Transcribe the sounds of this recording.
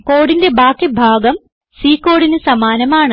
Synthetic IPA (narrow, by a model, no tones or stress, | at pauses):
koːɽinde̞bʱaːkːebʱaːɡɐm | siːkːo̞ːɽinɨsɐmaːnɐmaːɳɨ